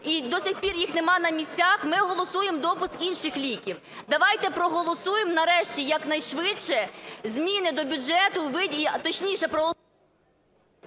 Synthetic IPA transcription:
id̪ɔsʲɪxpʲirjixnemɑnɐmʲisʲt͡sʲːaxmɪɔɦɔlˠɔsujemd̪ɔpʊskinʃɪxlʲikʲiw | d̪ɐʋɑjt̪ɛpɾɔɦɔlˠɔsujemnɐɾɛʃt͡ʃʲijɐknɐjʃʋɪɛzʲmʲinɪd̪ɔbʲʊd͡ʒɛt̪ʊʋɪit̪ɔt͡ʃnʲiʃɛpɾɔɦɔlˠ

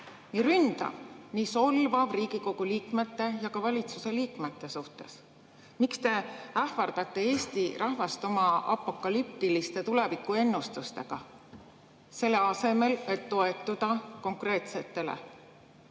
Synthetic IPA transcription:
niɾynd̪̥ɑ̰niːso̞lvɑbriːɡ̥iko̞ɡ̥uliːkme̞t̪ːe̞jɑkɑvɑlʲit̪suse̞liːkmet̪ːˑe̞suht̪e̞s | mikst̪e̞æhfɑrd̪̥ɑt̪ːˑe̞eːst̪iɾʔɑɦvɑst̪o̞mɑɑ̰pːˑo̞kːˑɑlyp̚t̪ilist̪e̞t̪ule̞vikːˑue̞nːust̪ust̪e̞̰ɡ̥ɑ | se̞lːe̞ɑse̞me̞le̞t̪ːo̞e̞t̪ːˑud̪̥ɑko̞ŋkre̞ːt̪se̞t̪ːe̞lḛ

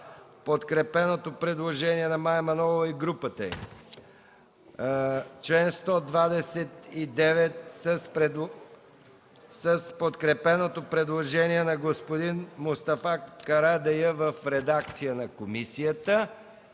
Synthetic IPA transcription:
pot̪kɾɛpɛnot̪opɾɛd̪lˠoʒɛniɛnɐmajmɐnɔvəiɡɾupət̪əɛ̰ | t͡ʃlɛnst̪ɔd̪vad̪ɛsɛt̪id̪ɛvɛt̪səspɛ | səspot̪kɾɛpɛnot̪opɾɛd̪lˠoʒɛniɛnɐɡospod̪inmʊst̪ɐfakɐɾad̪ɛjəvəfɾɛd̪akt̪sijənɐkomisijət̪ə

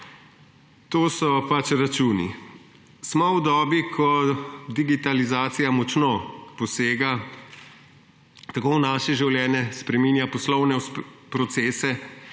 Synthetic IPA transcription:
t̪oːsɔpat͡ʃɾat͡ʃuːnḭ | smɔwd̪ɔːbikʰɔd̪iɡit̪alizaːt̪sijamɔt͡ʃnopɔseːɡa | t̪akoːnaːʃɛʒiwljɛːnɛspɾɛmiːnjapɔslɔwnɛpɾɔt̪seːsɛ

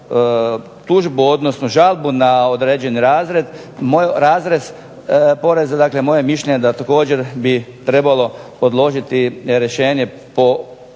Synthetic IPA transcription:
t̪uʒbuo̞d̪nosnoʒalˠbunaod̪ɾeːd͡ʑe̞niɾaːzɾe̞d̪ | mojɾaːzɾe̞z | po̞ɾe̞zad̪aːklemo̞jemiʃlʎeɲed̪at̪ako̞ːd͡ʑeɾbit̪ɾe̞balo̞po̞d̪lˠo̞ʒit̪iɾjeʃe̞ːɲe | po

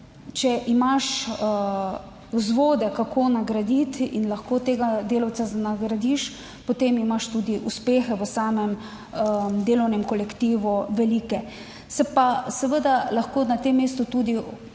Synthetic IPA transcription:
t͡ʃɛʔimaʃ | zʋoːd̪ɛkakʰoːnaɡɾad̪it̪inlɐxkoːt̪eːɡad̪eːlɐwsazanaɡɾad̪iʃ | pot̪emimaʃt̪uːd̪iʔuspeːxɛʋəsaːmɛm | əd̪eːlɔwnɛmkɔlɛkt̪iːʋuʋɛliːkɛ | sɛpasɛʋəd̪alaxkoːnat̪emːeːst̪ut̪ud̪i

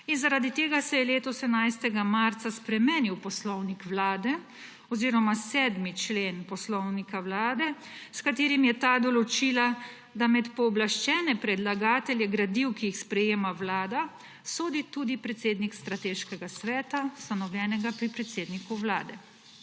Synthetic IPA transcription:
inzaɾad̪it̪eːɡasɛjɛleːt̪ɔsɛmnajst̪ɛɡamaɾt̪saspɾɛmeːniwpɔslɔwnikʋlaːd̪ɛ | ɔziːɾɔmasɛːd̪mit͡ʃleːnpɔslɔwnikawlaːd̪ɛ | skat̪eːɾimjɛt̪aːd̪ɔlɔt͡ʃila | d̪amɛt̪pɔːblaʃt͡ʃɛːnɛpɾɛd̪laɡaːt̪ɛljɛɡɾad̪iwkijixspɾɛjeːmawlaːd̪a | soːd̪it̪ud̪ipɾɛt̪seːd̪nikst̪ɾat̪eːʃkɛɡasʋɛːt̪ast̪anɔwlʲjɛːnɛɡapɾipɾɛt̪seːd̪nikuwla̰ːd̪ɛ

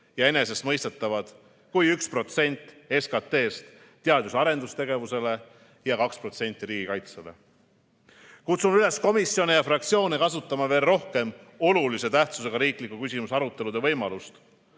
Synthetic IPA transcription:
jɑe̞ne̞se̞st̪mɤjst̪et̪ːˑɑvɑd̪̥ | kujykspro̞t̪se̞nʲt̪ːˑe̞skɑt̪ːe̞ːst̪ː | eɑd̪̥jusɑɾe̞nd̪̥ust̪e̞ɡ̥e̞vuse̞le̞ | jɑkɑkspro̞t̪se̞nʲt̪ːˑiɾiːɡ̥ikɑjt̪sele̞̰ | kut̪sunyle̞sko̞misːjo̞nejɑfrɑk̚t̪sio̞ːnekɑsut̪ˑːɑmɑve̞ːlro̞hke̞m | o̞lulise̞t̪æht̪suse̞ɡ̥ɑɾiːklikːukysʲimusɑɾut̪ːˑe̞lud̪e̞vɤ̞jmɑlust̪

